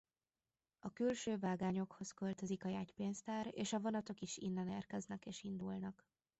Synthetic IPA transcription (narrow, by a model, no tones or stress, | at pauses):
ɒkylʃøːvaːɡaːɲo̞kho̞skølt̪øzikɒjaːcpeːnst̪aːreːʃɒvo̞nɒt̪o̞kiʃḭnːɛneːrkɛznɛkeːʃind̪ulnɒk